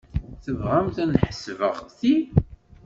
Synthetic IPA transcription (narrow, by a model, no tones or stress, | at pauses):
θəvʁæmt̪ænħə̥svə̰ʁθi